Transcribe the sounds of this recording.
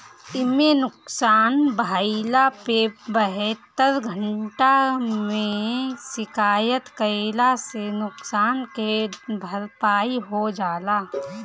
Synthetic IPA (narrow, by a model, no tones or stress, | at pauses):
ɪmenʊksaːnbʱaːlapebəɦɛt̪ːəɾɡʱəɳʈamẽsɪkaːjət̪kəelasenʊksaːnkebʱəɾpaːiɦod͡ʒaːlaː